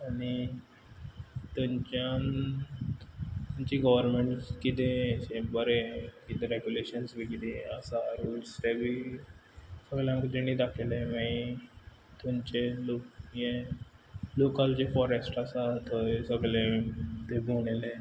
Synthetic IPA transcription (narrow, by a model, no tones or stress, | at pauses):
ani | t̪əɲt͡ɕan | t̪uɲt͡ɕiɡəʋəɾmeɳʈkit̪ẽt͡ɕẽbəɾekit̪ẽɾeɡjuleɕənsbikid̪eə̰saɾulsɾebʱiː | səɡljãŋkəd͡ʑeñid̪akʰelẽmai | t̪õɲt͡ɕelokje | lokald͡ʑefɔɾesʈasaɦt̪əesəɡlẽt̪ebʱoɽele